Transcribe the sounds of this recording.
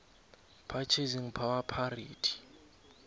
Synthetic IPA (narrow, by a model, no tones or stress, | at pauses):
pʰat͡ʃʰeziŋ̩pʰawapʰariːtʰi̥